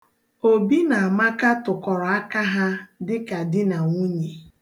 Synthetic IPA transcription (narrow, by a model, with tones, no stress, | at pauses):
o˨bi˦na˨a˨ma˦ka˦tʊ˨kɔ˨ɾɔ˨a˦ka˦ɦa˦dɪ˦ka˨dɪ˦na˨ŋʷu˦ɲe˨